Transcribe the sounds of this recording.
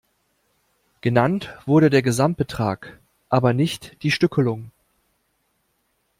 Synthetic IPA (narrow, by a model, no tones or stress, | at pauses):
ɡ̥ənantv̥ʊɐɾədeːɐɡəzamt̚b̥ətʁ̥aːk | ʔaːbɐnɪçtd̥iːʃtʏkəlʊŋ